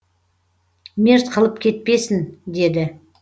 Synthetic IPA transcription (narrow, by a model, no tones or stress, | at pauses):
meɾt̪qʰəlˠəp̚kʲʰe̞t̪̚pe̞sɪnd̪e̞d̪ɪ